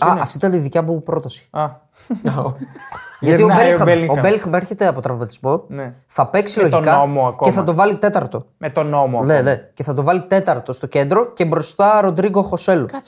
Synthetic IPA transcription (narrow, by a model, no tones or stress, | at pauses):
ɐɐft̪iit̪ɐniðicɐpupɾo̞t̪ɐsi̥ɐ | ʝɐt̪iobelobe̞lixmeɾçe̞t̪eɐpo̞t̪ɾɐvmɐt̪i̥zmo̞n | θɐpe̞ksiloʝokɐomoɐkoeθɐt̪o̞vɐlit̪e̞t̪ɐɾt̪o̞met̪onomoɐlelece̞θɐt̪̬o̞vɐlit̪e̞t̪ɐɾt̪o̞st̪o̞ce̞nd̪ɾo̞ce̞bɾo̞st̪ɐɾo̞d̪ɾiɣoxo̞se̞lu